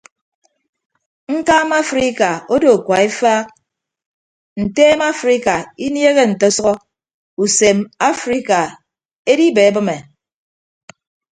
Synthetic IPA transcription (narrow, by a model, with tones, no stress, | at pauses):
ŋ̩˦kaː˦ma˦fɾi˦ka˨o˦do˨kʷwa˨e˦faː˦k̚ | n̩˨teː˦ma˦fɾi˦ka˨i˦nje˦ɣe˦n̩˨tɔ˦sɔ˦ɣɔ˦ | u˨se˨ma˦fɾi˦ka˨ | e˦di˦be˨e˦bɨ˦me˨